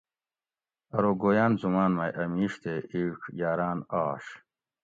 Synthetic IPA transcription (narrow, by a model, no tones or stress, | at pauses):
ɐɾoːɡoːjaːnzumaːnmaːjʔɐmiːʂt̪ʰeʔikʰjaːɾaːnaːɕ